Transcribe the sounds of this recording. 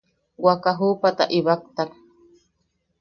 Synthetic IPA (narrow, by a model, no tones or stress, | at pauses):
wakaɦupat̪aʔiβak̚t̪ak